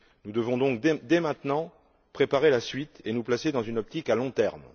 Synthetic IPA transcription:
nud̪əvɔ̃d̪ɔ̃kd̪d̪emɛ̃t̪nɑ̃ | pχepaʁelasɥit̪enuplased̪ɑ̃zynɔp̚t̪ikalɔ̃t̪ɛʁm

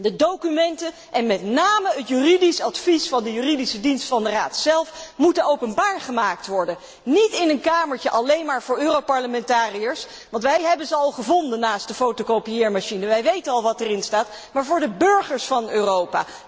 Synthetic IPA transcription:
dədowkymɛntə | ʔɛnmɛtnaːməətjyridisɑtfisfɑndəjyːridisədinstfɑndəraːtsɛlˠfmutənowpənbaːɹχəmaːk̚tʋɔɹdən | nitɪnənkaːməɹtəʔɑlejnmaːɹvʊːɹøːrowpɑɹləmɛntaːrijəɹs | ʋɑntʋɛjɦɛbənzəɑlˠχəvɔndənaːstdəfowtokowpijɪːɹmaʃinəʋɛjʋejtənɑlˠʋɑtɛrɪnstaːt | maːɹvʊːɹdəbɵɹχəɹsfɑnøːrowpa̰ː

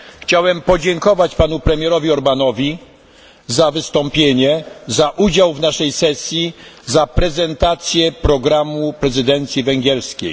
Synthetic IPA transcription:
xt͡ɕawɛmpɔd͡ʑɛŋkɔvat͡ɕpanupɾɛmʲjɛɾɔvʲiɔɾbanɔvʲi | zavɘst̪ɔmpʲjeɲɛzaʔud͡ʑawvnaʂɛjsɛsʲjizapɾɛzɛnt̪at̪sʲjɛpɾɔɡɾamupɾɛzɘd̪ɛnt̪sʲjivɛŋɡʲɛɾskʲḛj

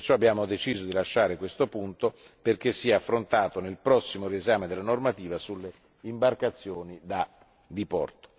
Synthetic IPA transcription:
t͡ʃɔabjaːmod̪et͡ʃiːzod̪ilaʃːaːɾekwest̪opunt̪o | perk̟esːiɛafːɾont̪aːt̪onelpɾɔsːimoɾiezaːmed̪elːanormat̪iːvasulːe | imbarkat̪sːjoːnid̪a | d̪ipɔ̰rt̪o̥

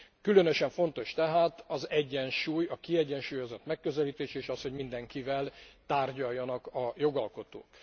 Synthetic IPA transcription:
kylø̞nøʃɛɱfo̞nt̪o̞ʃt̪ɛɦaːt̪ɒzɛɟːɛnʃuːjɒkiɛɟːɛnʃuːjo̞zot̪mɛkːø̞zɛliːt̪eːʃeːʃɒsho̞ɟmind̪ɛŋkivɛlt̪aːrɟɒjːɒnɒkɒjo̞ɡɒlko̞t̪o̰ːk

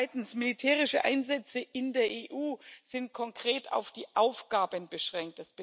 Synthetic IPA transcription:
ɪtn̩smɪlitʰɛːʁ̞ɪʃəʔa̰ɪnzɛt͡səʔɪndeːɐʔeːʔuːz̥ɪnt̚kʰɔŋkʁ̥eːta̰ʊfd̥iːʔaʊfɡ̥aːbənbəʃʁ̥ɛŋk̚t̚d̥asb̥ə

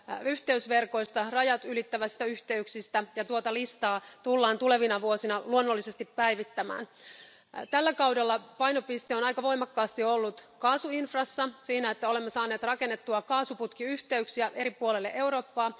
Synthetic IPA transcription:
yht̪e̞ysʋe̞rko̞ist̪ɑrɑjɑt̪ylit̪ːæʋæst̪æyht̪e̞yksist̪æjɑt̪uot̪ɑlist̪ɑːt̪ulːɑːnt̪ule̞ʋinɑʋuo̞sinɑluonːolːise̞st̪ippæiʋit̪ːæmæ̰ːn | t̪ælːækɑwdelːɑpɑjno̞pist̪eo̞nɑjkɑʋo̞jmɑkːɑːst̪iolːut̪kɑːsuinfrɑsːɑsiːnæet̪ːæole̞mːesɑːneːt̪rɑkenːet̪ːuɑkɑːsuput̪kiyht̪e̞yksiæʔe̞ɾipuolelːeʔewɾo̞ːpːɑː

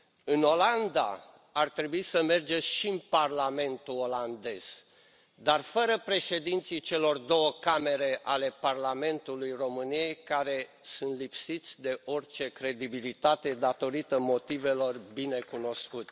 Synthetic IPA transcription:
ɨno̞land̪a̰ | art̪ɾe̞buisəme̞rd͡ʒeʃinparlame̞nt̪uo̞land̪e̞z̥ | d̪arfəɾəpɾe̞ʃe̞d̪int̪sijt͡ʃe̞lo̞rd̪o̞wəkame̞ɾe̞ʔale̞parlame̞nt̪ulujro̞mɨnije̞jkaɾe̞ | sunt̪lipsit̪sʲd̪e̞o̞rt͡ʃe̞kɾe̞d̪ibilit̪at̪e̞d̪at̪o̞ɾit̪əmo̞t̪ive̞lo̞rbine̞kuno̞skut̪

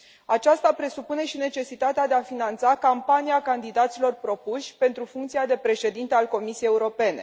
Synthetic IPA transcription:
at͡ʃast̪apɾe̞supune̞ʃine̞t͡ʃe̞sit̪at̪ead̪eafinant̪sakampaniakand̪id̪at̪silo̞rpɾo̞puʃʲpe̞nt̪ɾufuŋkt̪siad̪e̞pɾe̞ʃe̞d̪int̪ealko̞misiejeuɾo̞pe̞ne̞̰

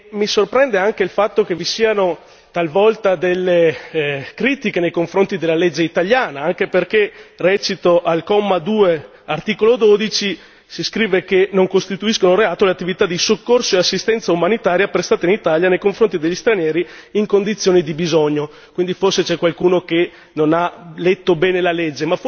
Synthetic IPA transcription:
misorpɾɛnd̪eaŋkeilfat̪ːok̟evisiːano | t̪alvɔlt̪ad̪elːe | kɾiːt̪ikenejkoɱfɾont̪id̪elːaled͡ʒːeit̪aʎjaːnaaŋk̟eperkerɛːt͡ʃit̪oʔalkɔmːad̪uːe | art̪iːkolod̪oːd̪it͡ʃi | siskɾiːvekenoŋkost̪it̪uiskonoɾeaːt̪oleat̪ːivit̪ad̪isokːorsoeasːist̪ɛnt̪saumanit̪aːɾjapɾest̪aːt̪einit̪aːljanejkoɱfɾont̪id̪eʎːist̪ɾanjɛːɾiiŋkond̪it̪sːjoːnid̪ibizoɲːo | kwind̪iforset͡ʃɛkwalkuːnoke | nonalet̪ːobɛːnelaled͡ʒːema

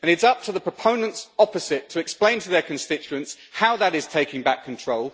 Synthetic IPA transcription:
ə̃nɪtsʌp̚tʰəðəpʰɹ̥əpʰə̃ʊ̃nə̃ntsɒpəzɪtʰəɛksplẽɪ̃ntʰəðəkʰə̃nstɪt͡ʃʉə̃ns | haʊðəɾɪz̥tʰeɪkɪ̃ŋbækʰːə̃ntʰɹ̥oʊlˠ

